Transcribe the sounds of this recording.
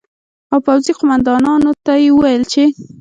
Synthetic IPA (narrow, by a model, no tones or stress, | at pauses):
awpawziqʊmand̪ɑnɑnot̪ajewəwajəlt͡ʃe